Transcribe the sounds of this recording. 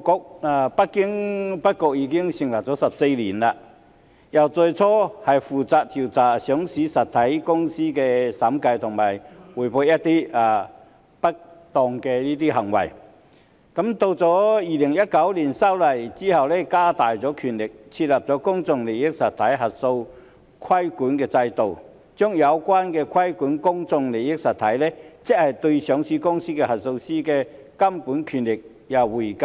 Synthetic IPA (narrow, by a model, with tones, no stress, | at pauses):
kɔ˧k̚a˧˩pa˥kːɪ˥ŋpa˥t̚kɔ˧k̚iː˧ki˥ŋɕi˨˩ŋla˨˩t͡sɔː˨˦˥sɐ˨˩p̚se˧lḭ˨˩nla˧˨ | ja˨˩wt͡so˧t͡sʰɔ˥hɐ˨˩jfuː˨˩t͡saː˧t̚t̪ʰi˨˩wt͡saː˨˩ɕjɔ˨˥ŋsi˨˥sɐ˨˩t̪ʰːa˨˦jkʊ˥ŋsiː˥kɛ˧sa˨˥mka˧jt̪ʰʊ˨˩ŋmaː˨˩jwu˨˩jpʰo˧ja˦˥t̚t̪i˥a˨˧˩ | pa˥k̚t̪ɔ˨˧ŋkɛ˧liː˦˥t̪i˥ɦɐ˨˩ŋwɐ̰˨˩j | kɐ˨˥mt̪o˧wt͡sɔː˨˥jiː˨lɪ˨˩ŋjɐ˥t̚kɐ˨˥wliː˨˩nsa˥wlɐ˨˩jt͡siː˥hɐ˨wlɛ˦˥kaː˥t̪aː˨jt͡sɔː˨˥kʰyː˨˩nlɪ˨˩k̚t͡sʰi˧t̚lɐ˨˩p̚t͡sɔː˨˥kʊ˥ŋt͡sʊ˧ŋle˨˩jɪ˥k̚sɐ˨t̪ʰɐ˨˥jɦɐ˨t̚so˧w | kʰwɐ˥jkuː˨˥nkɛː˧t͡sɐ˧jt̪o˨w | t͡sœː˥ŋjɐ˨˧wkwaː˥nkɛ˧kʰɐ˥jkuː˨˥nkʊ˥ŋt͡sʊ˧ŋle˨˩jɪ˥k̚sɐ˨t̪ʰɐ˨˥jlɛ˥t͡sɪ˥k̚hɐ˨˩jt̪ɵ˧sœː˨˥ŋsiː˥kʊ˥ŋsiː˥kɛ˧hɐ˨t̚so˧wsiː˥kɛ˧ | kɐ˥mpuː˨˥nkʰyː˨˩nlɪ˨k̚ | jɐ˨˩wwuː˨˩jk